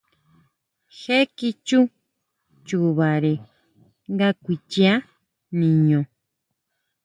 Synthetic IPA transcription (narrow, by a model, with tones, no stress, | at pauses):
xe˦ki˧t͡ʃu˦ | t͡ʃu˨βa˨ɾe˨ | ŋɡa˧kʷi˧t͡ʃi˧a˦ | nĩ˨ɲõ˨